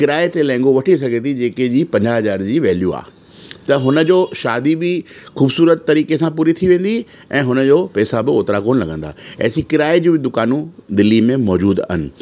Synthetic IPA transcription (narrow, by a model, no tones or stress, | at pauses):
kɪɾaːet̪elɛ̃ːŋɡoʋɐʈʰis̬ɐɡʱet̪ʰid͡ʑeːked͡ʑiːpɐ̃ɲd͡ʑaɦɐzaːɾd͡ʑiːʋɛːljua̰ː | t̪ɐɦʊnə̆d͡ʑoːʃaːd̪ibɪxuːbsuːɾət̪ːɐɾiːkesãpuːɾit̪ʰiʋẽːn̆d̪i | ɛ̃ːɦʊnəd͡ʑoːpɛːsabɪoːt̪ɾakoːnlɐɡʱə̃n̆d̪aːɛ̰ːsikɪɾaːed͡ʑiːbɪd̪ʊkaːnũd̪ɪlːimẽmɔːd͡ʑuːd̪ɐ̰ɦɪnɪ̆